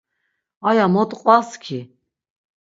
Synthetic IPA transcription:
ajamɔt̪ʼqʼwaskʰi

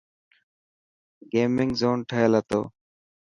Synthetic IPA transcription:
ɡeːmɪŋɡzoːnʈʰəelət̪o̰ː

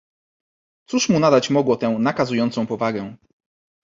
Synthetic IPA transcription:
t̪suʂmunad̪at͡ɕmɔɡwɔt̪ɛ̃w̃nakazujɔnt̪sɔ̃w̃pɔvaɡɛ̃

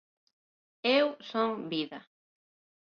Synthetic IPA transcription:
ewsoŋbiðɐ

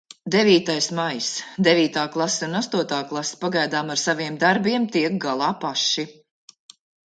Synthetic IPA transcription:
d̪eviːt̪ajsmajsd̪ɛviːt̪aːklˠaseunast̪uɔt̪aːklˠase̥paɡajd̪aːmaɾsaviɛmd̪aɾbiɛmt̪iɛk̚ɡalˠɑːpaʃːi

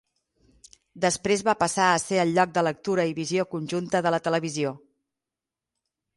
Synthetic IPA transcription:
d̪əspɾezβapəsaəseəlˠʎːɔk̚d̪ələk̚t̪uɾəiβiziokunʲʒunt̪əðələt̪ələβizio

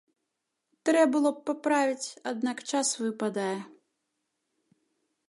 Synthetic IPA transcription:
t̪ɾɛbɨlˠɔp̚papɾavʲit͡sʲad̪̚nakt͡ʂasvɨpad̪ajɛ

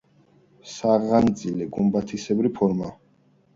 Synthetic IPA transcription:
saʁand̪zʼilɛɡumbat̪ʰisɛbɾipʰɔɾma

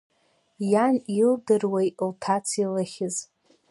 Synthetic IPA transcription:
janildɨrwejʔltʰat͡sʰilaχʲɪz

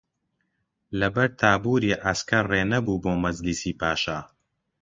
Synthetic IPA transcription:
lɐbɐɾt̪ʰaːbuːɾiːʔaskɐreːnɐbuːboːmɐzlisiːpʰaːʃaː

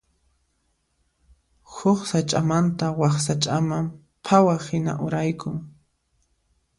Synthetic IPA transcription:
hʊχsat͡ʃʼamant̪awaχsat͡ʃʼamam | pʰawahɪna̰ʔʊɾajkʊŋ

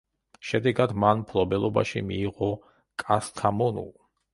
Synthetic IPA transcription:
ʃɛd̪ɛɡad̪manmpʰlˠɔbɛlˠɔba̰ʃḭmiːʁɔ | kʼast̪ʰamɔnṵlˠ

